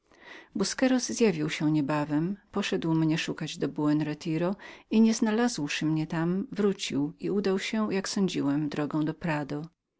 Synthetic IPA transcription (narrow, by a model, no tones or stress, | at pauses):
buskɛɾɔzːjavʲiwɕɛɲɛbavɛmpɔʂɛd̪wmɲɛʂukad͡ʑd̪ɔbuɛnɾɛt̪ʰiɾɔiɲɛznalazwʂɘmɲɛt̪amvɾut͡ɕiwiud̪awɕɛjaksɔ̃ɲd͡ʑiwɛmd̪ɾɔɡɔ̃w̃d̪ɔpɾad̪ɔ